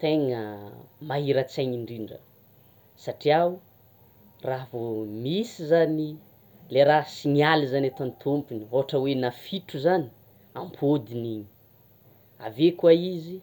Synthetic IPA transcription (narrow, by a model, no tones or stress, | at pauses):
t̪eŋəmaɦiɾat͡saɲiɳɖ͡ʐiɳɖ͡ʐə̰ | saʈ͡ʂia | ravomisizani | leɾasimializanet̪ant̪ʰompinioɦaʈ͡ʂəwenafiʈ͡ʂuzani̥ | ampʰod̪iniɲi̥ | a̰vekuaizi